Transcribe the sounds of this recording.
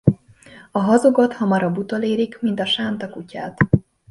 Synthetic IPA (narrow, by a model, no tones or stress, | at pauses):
ɒɦɒzoɡot̪hɒmɒɾɒbut̪oleːɾikmint̪ɒʃaːnt̪ɒkucaːt̪